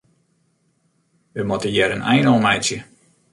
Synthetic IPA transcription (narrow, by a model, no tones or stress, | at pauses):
ʋəmotəjɛɾənɛ̰jnomɛjt͡sjə